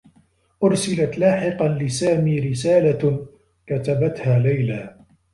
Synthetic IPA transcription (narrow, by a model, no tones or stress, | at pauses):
ʔʊɾsɪlat̪laːħɪqɑnlɪsaːmiːɾɪsaːla | kat̪abat̪haːlajlaː